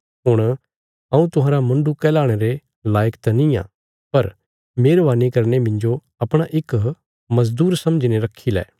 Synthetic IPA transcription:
ɦʊɽ̃ | ɐ̃ũt̪ʊɦãːɾamɐ̃ɳɖukɛːlaːɽ̃eɾe | laːjəkt̪ɐnĩjã̰ː | pɐɾ | meːɾʋaːnikɐɾnemɪ̃nd͡ʒo | ɐpɽ̃aʔɪk | mɐzd̪uːɾsɐ̃md͡ʒneɾɐkʰːilɛ̰ː

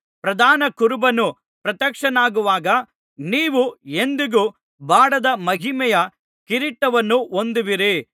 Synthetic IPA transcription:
pɾɐd̪ʱaːnɐkuɾubɐnu | pɾɐt̪jɐkʂɐnaːɡuʋaːɡɐ | niːʋuend̪iɡu | baːɽɐd̪ɐmɐɦimɛjɐ | kiɾiʈːɐʋɐnːuond̪iʋiɾi

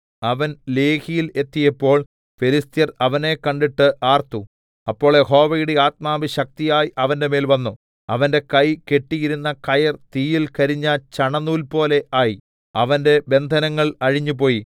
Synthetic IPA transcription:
ɐʋɐnle̞ːhijile̞t̪ːijɐpːo̞ːɭ | felist̪jɐrɐʋɐne̞kɐɳɖiʈːɨʔaːrt̪u | ɐpːo̞ːɭeho̞ːʋɐjuɽiaːt̪̚maːʋɨɕɐk̚t̪ijaːjiɐʋɐnde̞me̞ːlʋɐnːu | ɐʋɐnde̞kɐjke̞ʈːijiɾunːɐkɐjɐrt̪iːjilkɐɾiɲːɐt͡ɕɐɳɐnːuːlpo̞ːle̞aːji | ɐʋɐnde̞be̞nd̪ʱɐnɐŋːɐɭɐɻiɲːupo̞ːji

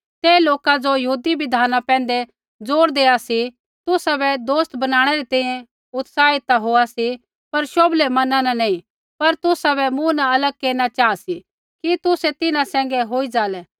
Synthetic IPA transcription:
t̪eːloːkad͡ʒojɐɦuːd̪ibɪd̪ʱaːnapɛ̃ːnd̪ɛ | d͡zoːɾd̪eːasi | t̪ʊsabɛd̪oːst̪bɐnaːɽ̃ɛɾit̪ɛ̃ːĩjɛ̃ | ʊt̪saːɪt̪aɦoːasi | pɐɾʃoːblemɐnãnɛnɐĩ | pɐɾt̪ʊsabɛmũnaɐləɡ̚keːɾnat͡ʃaːasi | kit̪ʊsɛt̪ɪnãsɛ̃ːŋ̆ɡɛɦoːid͡ʒaːlɛː

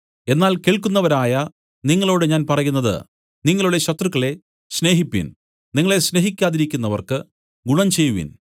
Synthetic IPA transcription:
e̞nːaːlkeːɭkunːɐʋɐɾaːjɐ | niŋːɐɭo̞ːɽɨɲaːnpɐrɐjunːɐðɨ̰ | niŋːɐɭuɽe̞ɕɐt̪rɨkːɐɭe̞ | ɕne̞ːɦipːḭn | niŋːɐɭe̞ɕne̞ɦikʲːaːðiɾikʲːunːɐʋɐrkɨ | ɡuɳɐmt͡ɕejːuʋḭn

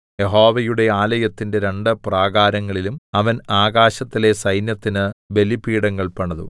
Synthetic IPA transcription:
je̞ɦo̞ːʋɐjuɽe̞aːlɐjɐt̪ːinde̞ɾe̞ɳɖɨpraːɡaːɾɐŋːɐɭilumɐʋɐnaːɡaːɕɐt̪ːile̞sɐjnjɐt̪ːinɨbe̞lipiːɽɐŋːɐɭpɐɳɐðṵ

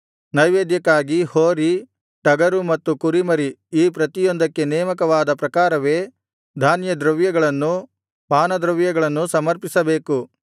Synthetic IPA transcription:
nɐjʋeːd̪jɐkːaːɡihoːɾi | ʈɐɡɐɾumɐt̪ːukuɾimɐɾiiːpɾɐt̪ijɔnd̪ɐkːe̞nɛːmɐk̬ɐʋaːd̪ɐpɾɐkaːɾɐʋe̞ː | d̪ʱaːnjɐd̪ɾɐʋjɐɡɐɭɐnːu | paːnɐd̪ɾɐʋjɐɡɐɭɐnːusɐmɐɾpisɐbeːku

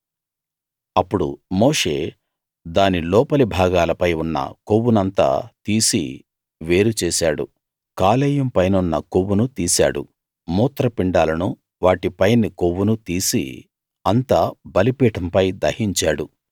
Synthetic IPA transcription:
ɐpːuɽṵmoːʂeː | d̪aːnilɔːpɐlibʱaːɡaːlɐpɐjunːɐ̰kowːunɐnt̪a̰ːt̪iːsḭ | ʋe̞ːɾut͡ʃɛːsaːɽṵ | kaːlɛːjɐmpɐjnunːɐkowːunut̪iːsa̰ːɽṵ | muːt̪ɾɐpiɳɖaːlɐnu | ʋaːʈipɐjnːikowːunut̪iːsḭ | ɐnt̪aːbɐlipiːʈɐmpɐjd̪ɐhiɲt͡ʃaːɽu

